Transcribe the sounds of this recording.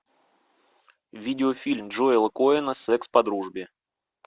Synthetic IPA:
vʲidʲɪofʲilʲmdʐoɪlˠəkoɪnəsɛkspɐd̪ɾuʐbʲɪ

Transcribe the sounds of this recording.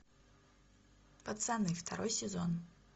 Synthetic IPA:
pɐt̪sanːɨft̪ʰaɾo̞jsʲezon

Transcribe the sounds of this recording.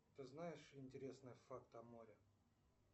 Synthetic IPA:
t̪ɨznajɪʂɪnʲtʲɪɾʲe̞snɨjəfakt̪ɐmo̞ɾʲɪ

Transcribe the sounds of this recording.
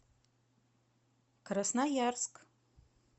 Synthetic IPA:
kʰɾasnajarskʼ

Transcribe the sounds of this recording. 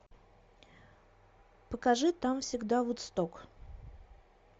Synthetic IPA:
pəkɐʐɨt̪amfsʲɪɡd̪avut̪st̪ok

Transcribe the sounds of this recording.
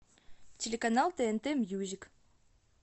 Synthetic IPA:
tʲelʲekanalˠt̪eent̪emjuzʲik

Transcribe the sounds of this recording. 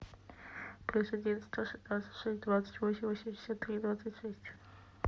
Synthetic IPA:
plʲusɐd̪ʲivʲɛt̪st̪oʂd̪vat̪sə̥tʲʂɛsʲt̚ʲd̪vat̪sə̥tʲvosʲɪmvosʲɪmɪsʲɔt̪ːɾʲid̪vat̪sətʲʂɛsʲtʲ

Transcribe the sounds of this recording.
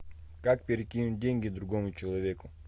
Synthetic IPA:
kak̚pʲɪɾʲɪkʲinʊt̚ʲdʲeŋʲɡʲɪd̪ɾʊɡomʊt͡ɕɪlˠɐvʲekʊ

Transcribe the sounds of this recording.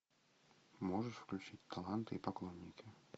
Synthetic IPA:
mɔʐəʂfklʲut͡ʂit͡sʲt̪alˠant̪ɨipaklˠɔnʲːikʲi

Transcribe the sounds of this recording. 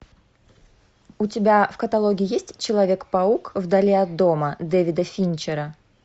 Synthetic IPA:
ʊtʲɪbʲafkət̪ɐlˠoɡʲɪːjesʲtʲt͡ɕɪlˠɐvʲe̞kpɐukvd̪ɐlʲeɐd̪ːo̞məd̪evʲɪd̪əfʲinʲt͡ɕɪɾə

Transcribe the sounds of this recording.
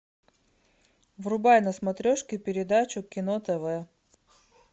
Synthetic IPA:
vrʊbajnəsmɐt̪ɾʲoʂkʲɪpʲɪɾʲɪd̪at͡ɕʊkʲɪnot̪ɛvɛ

